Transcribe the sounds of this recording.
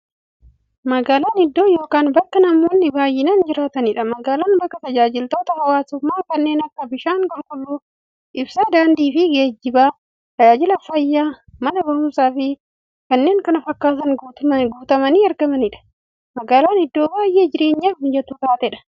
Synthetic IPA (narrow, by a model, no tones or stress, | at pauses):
mɐɡaːlaːnɪd̪ːo̞ːjo̞ːkaːnbɐkːɐnɐmoːnːɪbaːjːɪnɐnd͡ʒɪɾaːt̪ɐnɪᶑɐmɐɡaːlaːnbɐkːɐt̪ɐd͡ʒaːd͡ʒɪlt̪o̞ːt̪ɐhɐwaːsʊmːaːkɐnːe̞ːnɐkːɐbɪʃaːŋkɔŋkʊlːuː | ʔɪbsaːd̪aːnd̪iːfɪɡeːd͡ʒːɪbaː | t̪ɐd͡ʒaːd͡ʒɪlɐfɐjːaː | mɐnɐbɐhuːsaːfɪ | kɐnːe̞ːŋkɐnɐfɐkːaːt̪ɐnɡuːt̪ɐmɐniːɐɾɡɐmɐnɪᶑɐ̥ | mɐɡaːlaːnɪd̪ːo̞ːbaːjʔe̞ːd͡ʒɪɾe̞ːɲːaːfɪnd͡ʒɛt̪ʊt̪aːt̪ɛᶑɐ̥